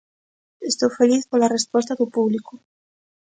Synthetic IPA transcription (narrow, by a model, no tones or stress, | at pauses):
est̪owfeliθkolarespos̬t̪aðupuβlikʊ